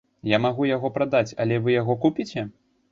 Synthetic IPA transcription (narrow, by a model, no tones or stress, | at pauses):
jamaɣujaɣɔpɾad̪at͡sʲɐ̰lʲɛvɨjaɣɔkupʲit͡sʲɛ